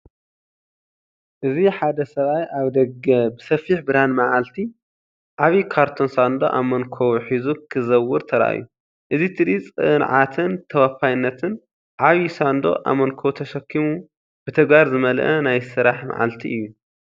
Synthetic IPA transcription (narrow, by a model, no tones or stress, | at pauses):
ʔɨziħad̪ɐsɐβajʔaβd̪ɐɡɐbɨsɐfiħbɨɾanmaʕalt̪ʰi | ʕaβikʰaɾt̪ʰo̞nsand̪o̰ʔa̰mɐnkʰowħizukʰɨzɐwːɨɾt̪ʰɐɾɐ̰ʔa̰jːu | ʔɨzit̪ʰɨdit͡sʼɨnʕat̪ʰɨnt̪ʰɐwafajnːɐt̪ʰɨn | ʕaβisand̪o̞̰ʔa̰mɐnkʰowt̪ʰɐʃɐkʰːimu | b̥ɨt̪ʰɐɡbaɾzɨmɐlʔɐnajsɨɾaħma̰ʕa̰lt̪ʰiʔɨjːu